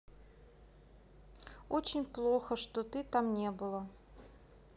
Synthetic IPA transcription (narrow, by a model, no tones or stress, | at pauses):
ot͡ɕɪnʲplˠoxəʂt̪ot̪ɨt̪amnʲebɨlˠə